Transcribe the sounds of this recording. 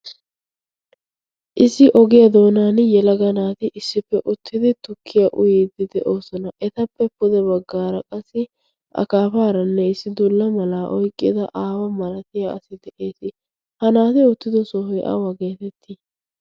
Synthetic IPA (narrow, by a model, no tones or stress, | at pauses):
ʔɪsːɪʔɔɡɪjɐd̪o̞ːnaːnjɛlɐɡɐnaːt̪ɪʔɪsːɪpːɛʔʊt̪ʰːɪd̪ɪt̪ʊkʰːɪjɐʔʊjɪd̪ɪd̪ɛʔo̞ːsɔnɐʔɛt̪ɐpːɛpːʊd̪ɛβɐɡːaːɾɐkʼɐsːɪ | ʔɐ̰kaːfaːɾɐnːɛɪsːɪd̪ʊlːɐmɐlaʔɔjkʼːɪd̪ɐʔaːwɐmɐlɐt̪ɪjaɐ̰sɪd̪ɛʔe̞ːsɪ | hɐnaːt̪ɪʊt̪ːɪd̪ɔsɔhɔjʔa̰wɐɡe̞ːt̪ɛt̪ʰːɪ